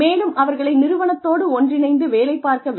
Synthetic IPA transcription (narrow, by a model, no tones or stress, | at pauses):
eːlɯmʔɐʋɐɾɣɐɭɐɪnɪɾɯʋɐɳɐt̪ːoːɽɯɔndrɪnɐɪnd̪ɯʋeːlɐɪpːaːɾkɐʋ